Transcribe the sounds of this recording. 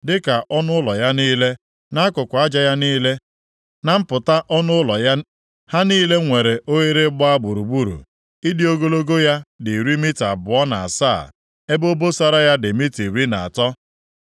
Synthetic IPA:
dɪ˦ka˨ʔɔ˦nʊ˦ʊ˦lɔ˨ja˦niː˦le˦ | na˦kʊ˨kʷa˦d͡ʒa˨ja˦niː˦le˦ | na˦m̩˦pʊ˨ta˦ʔɔ˦nʊ˦lɔ˨˦ | ha˦niː˦le˦ŋʷe˨ɾe˨ʔo˦ɣe˦ɾɪ˦bɔ˦a˦bu˨ɾu˨ɡ͡bu˦ɾṵ˨ | i˦di˦o˦ɡo˦lo˦ɡo˦ja˦dɪ˨ɾi˦mi˦ta˨bʊ˨ɔ˦na˨a˨sa̰˦˨ | e˦bo˦bo˦sa˦ɾa˦ja˦dɪ˨mi˦ti˨ɾi˦na˨a̰˨tɔ˦

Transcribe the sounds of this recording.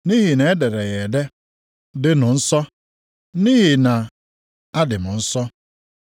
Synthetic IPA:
ni˦ɦi˨ne˨e˦de˨ɾe˨ɣe˨de˦ | dɪ˦nʊ˨n̩˦sɔ˦ | ni˦ɦi˨na˨ | a˦dɪ˨mʊ˨n̩˦sɔ˦

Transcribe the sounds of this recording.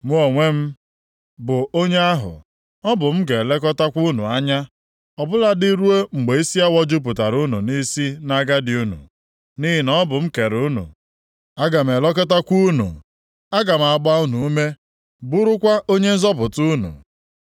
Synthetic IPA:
mu˦o˨ŋʷe˦m̩˦ | bʊ˨o˦ɲe˦a˦ɦʊ̰˨ | ɔ˦bʊ˨m̩˦ɡe˨le˦kɔ˦ta˦kʷu˦nṵ˨a˦ɲa˦ | ɔ˨bʊ˦la˨di˦ɾu˦e˦ŋ͡m̩˨ɡ͡be˨i˦si˦a˦wɔ˦d͡ʒʊ˦p̬ʊ˨ta˨ɾu˦nṵ˨ni˦si˦na˦ɡa˦dɪ˨u˦nṵ˨ | ni˦ɦɪ˨nɔ˦bʊ˨m̩˦ke˨ɾu˦nṵ˨ | a˦ɡa˨m̩˨e˨lɔ˦ke˦ta˦kʷu˦nṵ˨ | a˦ɡa˨m̩˨a˨ɡ͡ba˦u˦nu˨u˦me˦ | bu˦ɾʊ˦kʷa˦ʔo˦ɲe˦n̩˦zɔ˦pʊ˨tu˦nṵ˨

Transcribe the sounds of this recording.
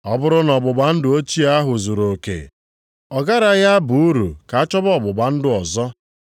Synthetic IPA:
ɔ˦bʊ˦ɾʊ˦nɔ˨bʊ˨ba˨n̩˦dʊ˦˨o˦t͡ʃi˦a˦ɦʊ˨zo˨ɾo˨kḛ˨ | ɔ˨ɡa˦ɾa˨ja˦bu˨u˦ɾṵ˨ka˨a˦t͡ʃɔ˦bɔ˨bʊ˨ba˨n̩˦dʊ˦ɔ˨zɔ˦

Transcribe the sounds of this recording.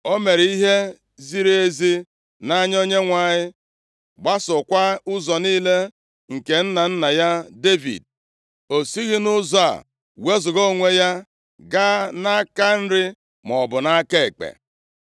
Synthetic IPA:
o˦me˨ɾi˦ɦe˦ | zi˦ɾe˦e˦zi˦ | na˦ɲ˦o˦ɲe˦ŋʷa˨ɲɪ˦ | ɡ͡ba˦sʊ˨kʷa˦ʊ˦zɔ˨niː˦le˦ | ŋ̩˨ke˨n̩˦na˨n̩˦na˨ja˦de˦vḭ˨d̚ | o˨si˦ɣɪ˦nʊ˦za̰˨ | we˦zʊ˨ɣo˦˨ŋʷe˦ja˦ | ɡa˦na˦ka˦n̩˦ɾɪ˦ | mɔ˨bʊ˨na˦ke˦˨e˨k͡pḛ˨

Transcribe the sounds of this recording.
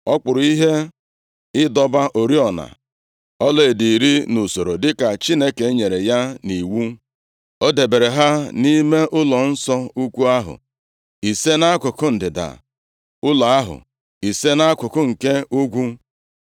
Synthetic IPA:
ɔ˦k͡pʊ˨ɾʊ˨˦i˦ɦe˦ | ɪ˦dɔ˦ba˦ʔo˨ɾi˦ɔ˨na̰˨ | ɔ˦le˦˨di˨ɾi˦nu˨so˨ɾo˨dɪ˦ka˨t͡ʃi˦ne˦ke˨˦ɲe˨ɾe˨ja˦ni˨wu˦ | o˦de˨be˨ɾe˨ɦa˦ni˦me˦ʔʊ˦lɔ˨n̩˦sɔ˦u˦kʷu˦a˦ɦʊ̰˨ | i˨se˦na˦kʷʊ˨kʊ˦n̩˨dɪ˨da̰˨ | ʊ˦la˨a˦ɦʊ̰˨ | i˨se˦na˦kʷʊ˨kʊ˦ŋ̩˨ke˦u˦ɡʷu˦

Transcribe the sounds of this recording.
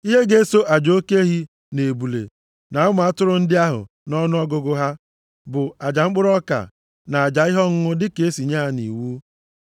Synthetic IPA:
i˦ɦe˦ɡe˦so˦ʔa˨d͡ʒo˦ke˦ɦi˦ | ne˨bu˨lḛ˨ | na˨˦ʊ˦m˨a˦tʊ˦ɾʊ˦n̩˦dɪ˦a˦ɦʊ̰˨ | nɔ˦nʊ˦ɔ˦ɡʊ˦ɡʊ˦ɦa˦ | bʊ˨a˨d͡ʒa˨ŋ͡m̩˦k͡pʊ˦ɾɔ˦ka̰˨ | na˨a˨d͡ʒa˨ɪ˦ɦɔ˦ŋ̩˦ŋʊ˦dɪ˦ke˨e˦si˨ɲa˦a˦nḭ˨wu˦

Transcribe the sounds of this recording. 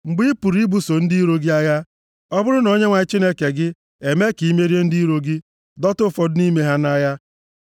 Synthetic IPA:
ŋ͡m̩˨ɡ͡bi˦pu˨ɾi˦bu˨so˨n̩˦di˦i˦ɾo˦ɡi˦a˦ja˦ | ɔ˦bʊ˦ɾʊ˦no˨ɲe˦ŋʷa˨ɪ˦t͡ʃi˦ne˦ke˨ɡɪ˦ | e˨me˦ki˨˦me˦ɾi˦e˦n̩˦di˦ɾo˦ɡi˦ | dɔ˦tʊ˦fɔ˨dʊ˦ni˦me˦ɦa˦na˦ja˦

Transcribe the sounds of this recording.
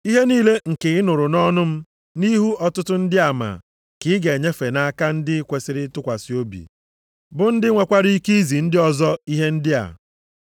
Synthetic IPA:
i˦ɦe˦niː˦le˦ŋ̩˨ke˨ɪ˦nʊ˨ɾʊ˨nɔ˦nʊ˦m̩˦ | ni˦ɦu˦ɔ˨tʊ˦tʊ˦n̩˦dɪ˦a˨ma̰˨ | kɪ˨˦ɪ˦ɡe˨ɲe˦fe˨na˦ka˦n̩˦dɪ˦kʷe˨sɪ˦ɾɪ˦tʊ˦kʷa˨sɪ˨˦o˦bḭ˨ | bʊ˨n̩˦dɪ˦ŋʷe˨kʷa˦ɾi˦i˦ki˦zi˨n̩˦dɪ˦ɔ˨zɔ˦i˦ɦe˦n̩˦dɪ˦a̰˨

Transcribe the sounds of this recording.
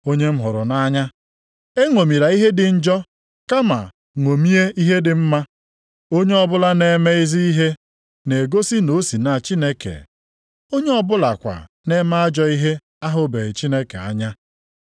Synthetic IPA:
o˦ɲe˦m̩˦ɦʊ˨ɾʊ˨na˦ɲa˦ | e˦ŋʷo˨mi˨ɾa˨i˦ɦe˦dɪ˨n̩˦d͡ʒɔ˦ | ka˦ma̰˨ | ŋʷo˨mi˦e˦i˦ɦe˦dɪ˨m̩˦ma˦ | o˦ɲe˦ɔ˦bʊ˦la˦ne˦me˦i˦zi˦i˦ɦe˦ | ne˨ɡo˦si˦no˨˦si˨na˨t͡ʃi˦ne˦kḛ˨ | o˦ɲe˦ɔ˦bʊ˦la̰˨kʷa̰˨ | ne˦ma˦a˦d͡ʒɔ˦i˦ɦe˦ | a˦ɦʊ˨be˨ɾɪ˨t͡ʃi˦ne˦kḛ˨a̰˦ɲa˦

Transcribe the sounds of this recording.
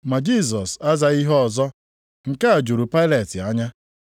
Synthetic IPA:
ma˨d͡ʒi˦˨s̬ɔ˨sa˦za˨i˦ɦɔ˦ɔ˨zɔ˦ | ŋ̩˨ka˦a˨d͡ʒu˨ɾu˨pa˦ɪ˦le˨tɪ˨a˦ɲa˦

